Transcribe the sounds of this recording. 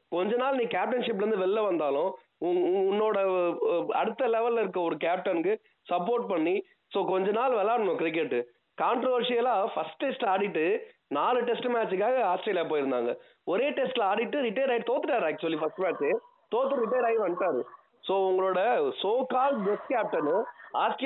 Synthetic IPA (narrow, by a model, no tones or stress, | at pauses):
kɔɲd͡ʒɐnːaːlniːkaːp̚ʈɐnʂɪp̬ːɾɯnd̪ɯʋɛlːɐʋɐnd̪aːlʊ̃ | ʊʊnːoːɽɐ | ɐ̰ɽɯt̪ːɐlɛʋɛlːɪɾɯkːɐɔɾɯk̬aːp̚ʈɐnkɯ | sɐpːoːɾʈ̚pɐɳːi | soːkɔɲd͡ʒɐnaːlʋɛlːaːɽɐɳʊ̃kɾɪk̬ːɛʈːɯ | kaːɳʈɾɔʋɐɾʂijɐlãːfɐsʈʈesʈaːɽɪʈːɯnaːlɯʈɛsʈmaːt͡ʃːɯk̬ːaːɣɐaːsʈɾijɐljaːpoːjɪɾɯnd̪a̰ːŋɡɐ | ɔɾeːʈesʈlaːɽɪʈːɯɾɪʈːɐjɾɐɪʈt̪oːt̪ːɯʈːaːɾɐk̚t͡ʃʊʋɐlːifɐsʈmaːʈt͡ʃː | t̪oːt̪ːɯɾɪʈːɐjɾɐɪʋɐnːʈːaːɾɯ | soːʊŋɡɐɭoːɽɐsoːkaːlɖbɛskaːp̚ʈɐnõaːsʈ